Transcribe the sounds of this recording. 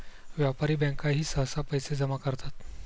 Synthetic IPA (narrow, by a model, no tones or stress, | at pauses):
ʋjapaɾiːbɛ̃ŋkaɦiːsəɦsapəjsed͡zəmakəɾt̪at̪